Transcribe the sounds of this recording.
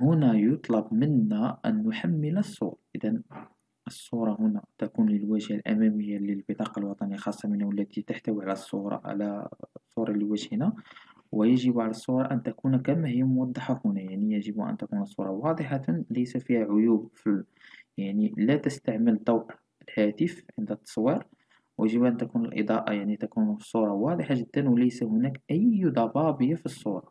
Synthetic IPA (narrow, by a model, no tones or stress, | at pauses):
hʊnæjot̪ˤlɑbmənːæʔæ̰nːʊħamːələsˤːṵɾʔəd̪æn | ʔəsˤːuɾˤɑhʊnæt̪ækunləlwæʒhalʔæ̰mæməjːaləlbət̪ˤɑqɑlwɑt̪ˤɑnixɑsˤːɑmənawəlːæt̪it̪aħt̪æwiʕalæsˤːuɾˤɑ̰ʕa̰læsˤːuɾˤɑlːiwæʒhnæ | wjəʒəbʕalæsˤːuɾˤɑʔænt̪ækunkæmːæhəjːæmwɑd̪ˤːɑħahunæjaʕnijəʒəbuʔæ̰nt̪ækunsˤːṵɾˤɑwɑd̪ˤəħɑləjsæfihæʕʊjubfi | jaʕnilæt̪əst̪aʕməld̪ˤɑwʔ | lhæt̪əfʕənd̪æt̪ːɑ̥sˤwiɾ | wjəʒəbʔænt̪ækunəlʔə̰d̪ˤɑʔɑ̰jaʕnit̪ækunsˤːuɾˤɑwɑd̪ˤəħaʒəd̪ːənwləjsæhʊnækʔæjd̪ˤɑbɑbəjafisˤːuɾˤɑ